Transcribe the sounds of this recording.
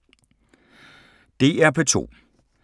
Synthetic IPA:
d̥e̝̰ːæɐpʰɒ̽t͡sʰo̝̰ː

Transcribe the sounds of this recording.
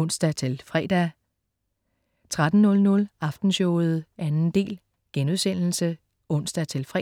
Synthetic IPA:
ɔn̰sd̥æt͡sʰe̝lfʁɛːd̥æ | t͡sʰʁad̥n̩ːɔ̽lnɔ̽lɑ̈fd̥n̩ɕɔːð̞̩ˠʔænn̩d̥e̝̰ːl | ɡ̥enuðˠsen̰l̩sə | ɔ̽n̰sd̥æt͡sʰe̝lfʁɛ

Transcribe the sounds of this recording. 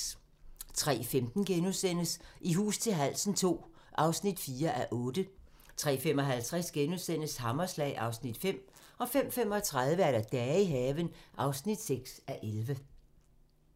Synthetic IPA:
t͡sʰʁɛ̰ːfemd̥n̩ɡ̥enusen̰əsiɦṵːst͡sʰe̝lɦæl̰sn̩t͡sʰo̝̰ː | ʔɑ̈ʊsnid̥fiːɐʔæʔɔ̽ːd̥ə | t͡sʰʁɛ̰ːfem̰ɒ̽ɦælt͡sʰʁɛsɡ̥enuðˠsen̰əshɑ̈mɐslɛ̰ɪʔɑ̈ʊsnid̥fem̰ɒ̽fem̰fem̰ɒ̽t͡sʰʁað̞ˠʋəæɐɾæd̥ɛːiɦɛːʋənʔɑ̈ʊsnid̥seɡ̥sæʔelʋə

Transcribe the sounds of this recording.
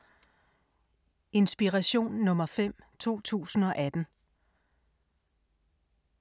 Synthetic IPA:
e̝nsb̥iʁæɕo̝̰ːnːɔ̽mɐfem̰t͡sʰo̝̰ːt͡sʰṵːsn̩ɒ̽ʔæd̥n̩

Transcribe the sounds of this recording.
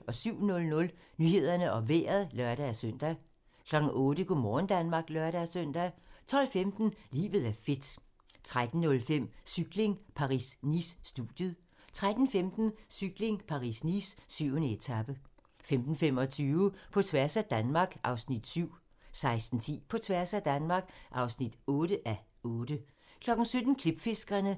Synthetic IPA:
ɒ̽syʊ̰nɔ̽lnɔ̽l | nyːhe̝ð̞̰ˠɐnəʔɒ̽ʋḛːɐð̞ˠlœɐɾ̥ææsøn̰d̥æ | kʰlɒ̽ɡ̥n̩ʔɔ̽ːɾ̥əɡ̥omɒːn̩d̥ænmɑ̈ɡ̥lɶɐɾæsøn̰d̥æt͡sʰɒ̽l̰femd̥n̩lḭːʋð̩ˠæɐfe̝d̥ | t͡sʰʁad̥n̩nɔ̽lfem̰syɡ̥le̝ŋpʰɑ̈ʁisnisːd̥ṵð̥jəð̩ˠ | t͡sʰʁad̥n̩femd̥n̩syɡ̥le̝ŋpʰɑ̈ʁḭsnisːyʊ̰nəet͡sʰæb̥ə | femd̥n̩femɒ̽t͡sʰyːʊəpʰɒ̽t͡sʰʋæɐsæd̥ænmɑ̈ɡ̥ʔɑ̈ʊsnid̥syʊ̰ | sɑ̈ɪsd̥n̩t͡sʰḭːpʰɒ̽t͡sʰʋæɐsæd̥ænmɑ̈ɡ̥ʔɑ̈ʊsnid̥ɔ̽ːɾəʔæ | ɔːd̥ə | kʰlɒ̽ɡ̥n̩sød̥n̩kʰleb̥fe̝sɡ̥ɐnə

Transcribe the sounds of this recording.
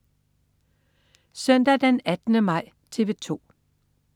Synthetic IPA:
sœn̰d̥æd̥enæd̥nəmɑ̈ɪ̰ | t͡sʰe̝ʋe̝t͡sʰo̝̰ː

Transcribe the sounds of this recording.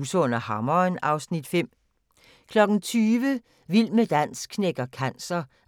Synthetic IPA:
sɔ̽n̰ɐhɑ̈mɐnɑ̈ʊsnid̥fem̰ | kʰlɒ̽ɡ̥n̩t͡sʰyːʋə | ʋil̰məd̥æn̰skʰneɡ̥ɐkʰæn̰sɐ

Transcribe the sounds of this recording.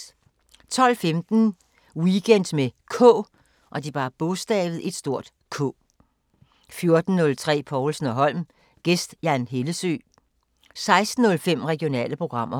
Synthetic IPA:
t͡sʰɒ̽l̰femd̥n̩ | wiɡ̥en̰d̥mekʰɔ̰ː | ʔɒ̽d̥ibɑ̈ːb̥ɔsd̥ɛ̰ːʋð̞̩ˠe̝d̥sd̥o̝ɐ̰d̥ | kʰɔ̰ː | fjo̝ɐd̥n̩ːɔ̽lt͡sʰʁɛ̰ːpʰɒːlsn̩ɒ̽ɦɒ̽l̰m | ɡ̥esd̥jænɦe̝ləsø̰ː | sɑ̈ɪsd̥n̩ːɔ̽lfem̰ʁɛɡ̥io̝nɛ̰ːləpʰʁo̝ɡ̥ʁɑ̈m̰ɐ

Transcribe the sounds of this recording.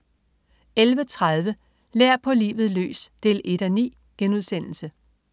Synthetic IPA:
elʋət͡sʰʁað̞ˠʋə | leɐ̰pʰɒ̽lḭːʋð̞̩ˠlø̰ːsd̥e̝le̝d̥ænḭː | ɡ̥enuð̞ˠsen̰l̩sə

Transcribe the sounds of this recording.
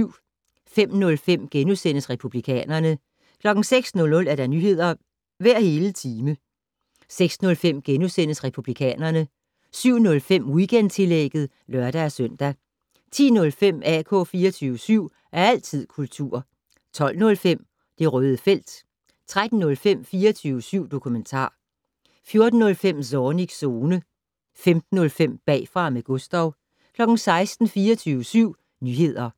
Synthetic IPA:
ʊ̰ | fem̰nɔ̽lfem̰ɡ̥enusen̰əsʁɛpʰublikʰɛ̰ːnɐnə | kʰlɒ̽ɡ̥n̩seɡ̥snɔ̽lnɔ̽læɐɾ̥æ̈nyhe̝ð̰ˠɐ | ʋæɐ̰he̝ːlət͡sʰiːmə | seɡ̥snɔ̽lfem̰ɡ̥enusen̰əsʁɛpʰub̥likʰɛ̰ːnɐnə | syʊ̰nɔ̽lfem̰ʁiɡ̥end̥t͡sʰe̝leɡ̥ð̩ˠ | lɶɐd̥æːsœn̰d̥æ | t͡sʰḭːnɔ̽lfem̰ækʰɔ̽ːfiːɐt͡sʰyːʊəsyʊ̰ | ʔæɐæl̰t͡sʰið̰ˠkʰult͡sʰṵɐ̰ | t͡sʰɒ̽l̰nɔ̽lfem̰ | d̥e̝ʁœːð̞ˠəfel̰d̥ | t͡sʰʁad̥n̩ːɔ̽lfem̰fiːɐt͡sʰyːʊəsyʊ̰d̥o̝kʰument͡sʰɑ̰̈ː | fjo̝ɐd̥n̩ːɔ̽lfem̰sɒːniɡ̥so̝ːnə | femd̥n̩ːɔ̽lfem̰b̥ɛ̰ːfʁɑ̈meɡ̥ɔsd̥ɒʊ̰ | kʰlɒ̽ɡ̥n̩sɑ̈ɪsd̥n̩fiːɐt͡sʰyːʊəsyʊ̰ | nyɦhe̝ð̞̰ˠɐ

